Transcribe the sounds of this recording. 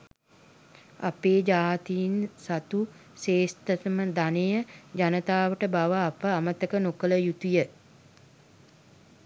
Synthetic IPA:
a̰peːd͡ʒaːt̪ijinsat̪useːst̪ət̪əməd̪anejəd͡ʒanət̪aːʋəʈəbaʋəapəamət̪əkənokələjut̪ujə

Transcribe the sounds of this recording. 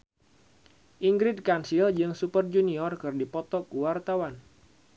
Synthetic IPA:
ʔiŋɡɾɪd̪̚kansild͡ʒɨŋsupərd͡ʒuniɔrkɨrdipɔt̪ɔkuwart̪awan

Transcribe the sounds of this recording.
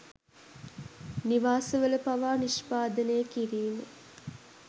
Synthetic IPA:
niʋaːsəʋələpaʋaːniʃpaːd̪ənəjəkiɾiːmə

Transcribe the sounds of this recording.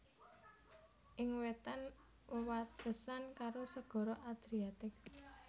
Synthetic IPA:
ʔɪŋwet̪an | wəwat̪əsankaɾosəɡ̥ɔ̤ɾɔʔad̪̥ɾiat̪ɪk̚

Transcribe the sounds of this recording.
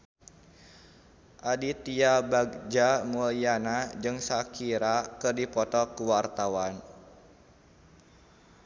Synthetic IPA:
ʔadit̪iabaɡ̚d͡ʒamulianad͡ʒɨŋsakiɾakɨrdipɔt̪ɔkuwart̪awan

